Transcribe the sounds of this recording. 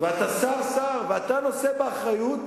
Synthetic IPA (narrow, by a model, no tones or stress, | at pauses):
veat̪asaʁsaʁveat̪ano̞sebeaχʁajut̪